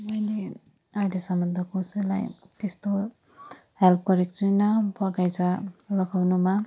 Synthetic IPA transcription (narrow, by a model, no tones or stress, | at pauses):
mʌjle | ajlesʌmbʌnd̪ʱʌkosila̰jt̪est̪o | help̚ɡʌɾekt͡sunʌbʌɡajt͡sʰʌlʌɡawnuma